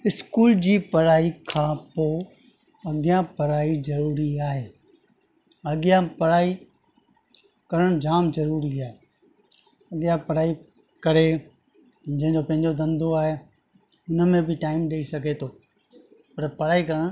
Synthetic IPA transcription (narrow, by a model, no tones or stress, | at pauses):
ɪskuːld͡ʑiːpɐɾaːikʰãːpoː | ɐɠɪjãpɐɾaːizɐɾuːɾiaːɦeː | ɐɠɪjãpɐɾaːi | kɐɾəɽ̃d͡ʑaːmzɐɾuːɾiaːɦe | ɐɠɪjãpɐɾaːi | kɐɾe | d͡ʑɐ̃ɦɪ̃ɲd͡ʑopɐ̃ɦɪ̃ɲd͡ʑod̪ɐ̃nd̪ʱoaːɦe | ʊnə̆mẽbɪʈaːɪmɗeisɐɡʱet̪ʰoː | pɐɾpɐɾaːikɐɾəɽ̃